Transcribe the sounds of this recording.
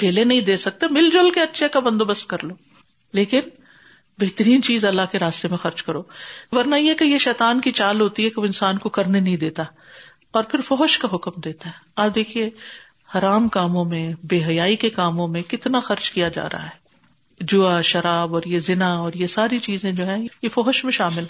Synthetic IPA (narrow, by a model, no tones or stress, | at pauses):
keːlenɐɦĩd̪eːsɐk̚t̪emɪld͡ʒolkeɐtːʃʰekabɐ̃nd̪obɐst̪̚kɐɾloː | leːkɪn | bɐɦt̪əɾiːnt͡ʃiːzɐlːaɦkeɾaːst̪emẽxɐɾt͡ʃkɐɾoːbɐɾnajekejeʃɛːt̪aːnkit͡ʃaːlɦoːt̪iɦɛkeʋoɪ̃nsaːnkokɐɾnenɐɦĩd̪eːt̪a | ɔːɾpʰɪɾfɔɦʃkaɦʊkmd̪eːt̪aɦɛ | ɐd̪eːkʰie | hɐːɾaːmkaːmõmẽbeːɦɐjaːikekaːmõmẽkɪt̪naxɐɾd͡ʒkijad͡ʒa̰ːɾɐ̰ɦa̰ɦɛː | d͡ʒʊaʃɐɾaːbɔːɾjezɪnaɔːɾjesaːɾit͡ʃiːzẽd͡ʒoːɦɛ̃jjefɔɦʃmẽʃaːmɪlɦ